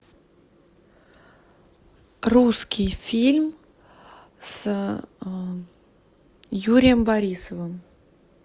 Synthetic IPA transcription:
ruskʲijfʲilʲm | s | juɾʲɪjəmbɐɾʲisəvɨm

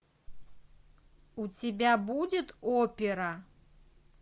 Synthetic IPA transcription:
ut͡sʲɪbʲabud͡zʲɪt̪opʲɪɾɐ

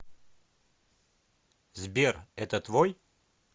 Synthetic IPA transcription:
zbʲerɛt̪ət̪vɔj

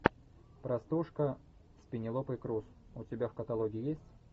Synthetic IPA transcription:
pɾɐst̪uʂkə | sʲpʲɪnʲɪlˠopɨɪkɾusʊtʲɪbʲafkət̪ɐlˠoɡʲɪːjesʲtʲ

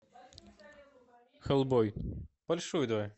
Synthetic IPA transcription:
xɐlˠbɔjb̥ɐlʲʂujʊd̪va

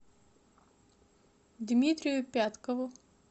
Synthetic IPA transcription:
d̪ʲmʲit̪ʲɾʲɪjʊpʲat̪kəvʊ

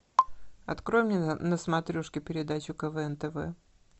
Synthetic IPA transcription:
ɐ̰t̪kɾo̞jɪmnʲenəsmɐt̪ɾʲuʂkʲɪpʲɪɾʲɪd̪at͡ɕʊkəvɛɛnt̪ɛvɛ̰

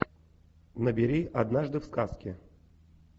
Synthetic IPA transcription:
nəbʲɪɾʲiʔad̪naʐd̪ɨfskaskʲɪ

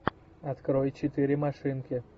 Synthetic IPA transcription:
ɐt̪kɾojt͡ɕɪt̪ɨɾʲɪmɐʂɨnkʲɪ

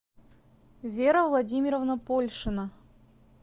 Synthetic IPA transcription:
vʲeɾəvlˠɐdʲimʲɪɾəvnəpolʲʂɨnə

